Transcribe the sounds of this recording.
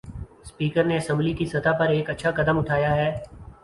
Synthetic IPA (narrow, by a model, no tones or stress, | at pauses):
spiːkəɾneɐsə̃mblikisɐt̪apɐɾeːkɐtːʃʰakɐd̪əmʊʈʰaːjaɦɛː